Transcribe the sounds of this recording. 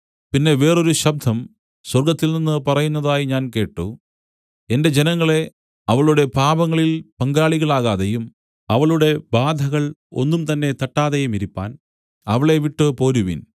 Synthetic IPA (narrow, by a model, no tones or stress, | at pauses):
pinːe̞ʋe̞ːro̞ɾuɕɐb̚d̪ʱɐm | swɐrɡɐt̪ːilninːɨpɐrɐjunːɐðaːjiɲaːnke̞ːʈːṵ | e̞nde̞d͡ʑe̞nɐŋːɐɭe̞ | ɐʋɐɭuɽe̞paːbɐŋːɐɭilpɐŋɡaːɭiɣɐɭaːɣaːðejum | ɐʋɐɭuɽe̞baːd̪ʱɐɣɐɭo̞̰nːumt̪ɐnːe̞t̪ɐʈːaːðejumiɾipːa̰ːn | ɐʋɐɭe̞ʋiʈːɨpo̞ːɾuʋḭn